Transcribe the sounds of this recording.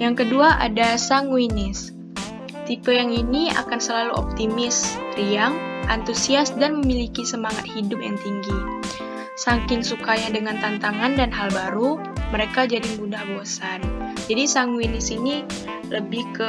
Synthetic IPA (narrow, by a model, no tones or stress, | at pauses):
jaŋkəduaʔa̰dasaŋwinɪs | t̪ipəjaŋinia̰kansəlaluɔ̰p̚t̪imɪsriaŋʔant̪usiasdanməmilikisəmaŋat̪̚hidʊp̚jaŋt̪iŋɡi | saŋkɪnsukajadəŋant̪ant̪aŋandanɦalbaɾu | məɾekad͡ʒadiŋbudahboasand͡ʒadisaŋwinɪsini | ləbɪhkə